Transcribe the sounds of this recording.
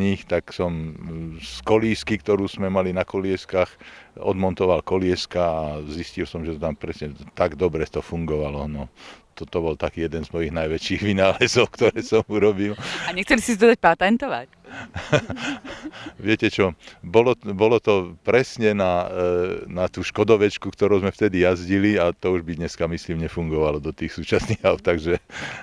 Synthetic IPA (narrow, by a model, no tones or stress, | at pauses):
ɲiːxt̪aksɔm | skɔliːskikt̪ɔɾuːzmɛmalinakɔlɪɛskaːxɔ̰d̪mɔnt̪ɔʋalkɔlɪɛskaːziscilsɔmʒɛt̪ɔt̪ampɾɛsɲɛt̪aɡd̪ɔbɾɛt̪ɔfuŋɡɔʋalɔnɔt̪ɔt̪ɔbɔlt̪akiːjɛd̪ɛnzmɔjiɣnajʋɛt͡ʃiːɣʋinaːlɛzɔʊkt̪ɔɾɛːsɔmuɾɔbilaɲɛxt͡sɛlisisid̪ɔd̪ac̚pat̪ɛnt̪ɔʋa̰c | ʋɪɛcɛt͡ʃɔbɔlɔbɔlɔt̪ɔpɾɛsɲɛna | nat̪uːʃkɔd̪ɔʋɛt͡ʃkukt̪ɔɾuːzmɛft̪ɛd̪ijazɟiliat̪ɔuʒbid̪ɲɛskamisliːmɲɛfuŋɡɔʋalɔd̪ɔt̪iːxsuːt͡ʃasɲikaʊt̪aɡʒɛ